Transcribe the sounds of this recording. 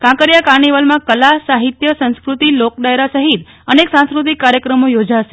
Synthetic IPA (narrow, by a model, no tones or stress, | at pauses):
kãkəɾjakaɾniʋəlmãkəlasaɦit̪jəsə̃skɾut̪ilok̚ɖajɾasəɦit̪ | əneksãñskɾut̪ikːaɾjəkɾəmojod͡ʒaʃe̥